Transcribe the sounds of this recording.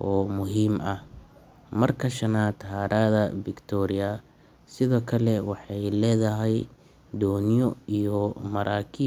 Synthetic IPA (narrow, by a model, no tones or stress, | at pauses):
ʔɔːmʊɦiːmɐh | mɐrkʰɐʃɐnaːt̪ʰɐɦaːɾaːðɐbɪkt̪ʰɔɾɪjɐ | sɪðɔːkʰɐlɛwɑħɑjlɛːðɐɦɛj | d̪ɔːnjɔijɔmɐɾʔaːkʰiː